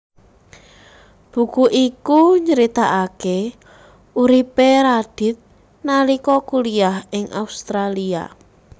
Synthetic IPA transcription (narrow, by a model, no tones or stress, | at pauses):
b̥ṳkuʔikuɲəɾit̪aʔake | uɾipeɾad̥ɪ̤t̪̚ | nalikɔkuliaɦɪŋʔaust̪ɾalia̰